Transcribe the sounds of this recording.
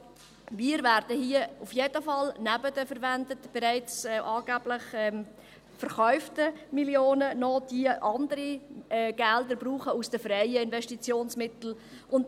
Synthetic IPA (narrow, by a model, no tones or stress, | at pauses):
miːɾvæɾd̥əhiəufjed̥əfɑlnæbədəfəɾvændətb̥ɛɾæɪt͡sɛʔɑːɡ̥æb̥lɪχɛm | fəɾχœʏftəmiljoːnənɔd̥iəʔɑndəɾiɛɡ̥ɛldəɾbɾuːχəusd̥əfrɛɪəɪnvɛʃtit͡sjoːnsmɪt̪l̩ | ʔʊnt